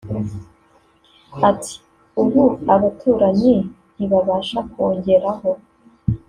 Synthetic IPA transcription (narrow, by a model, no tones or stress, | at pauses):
atʰi̥ | uβuaβatʰuːɾaɲi | niβaβaːʃako̞ːɲɟe̞ɾaɦo̞